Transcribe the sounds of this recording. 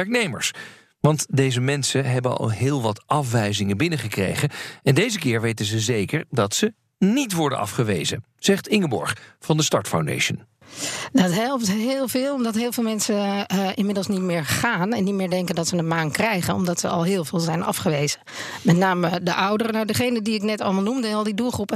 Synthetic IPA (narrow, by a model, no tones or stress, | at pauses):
ɛɹk̚nejmə̰ɹs | ʋɑntdejzəmɛnsənɦɛbənɑ̰lˠɦɪːlˠʋɑtɑfʋɛjzɪŋənbɪnəχəkrḛjχəɛndejzəkɪːɹʋejtənzəzejkəɹdɑtsə | nitʋɔɹdə̰nɑ̰fχəʋḛjzə̰ | z̥ɛχtɪŋəbɔ̰ɹχv̥ɑndəstɑɹtfa̰wndḛjʃə̰n | dɑtɦɛlˠp̚tɦɪːlˠvɪːlˠɔmdɑtɦɪːlˠvɪːlˠmɛnsəʔɪnmɪdəlˠsnitmɪːɹχaːnɛnːitmɪːɹdɛŋkəndɑtsədəmaːŋkrɛjχənɔmdɑtsə̰ʔɑ̰lˠɦɪːlˠvɪːlˠzɛjnɑ̰fχəʋejz̥ə | mɛtnaːmədəʔʌwdərənadəχejnədiɪknɛtɑ̰lˠmɑlˠnumdəɔlˠdiduːlˠχrupə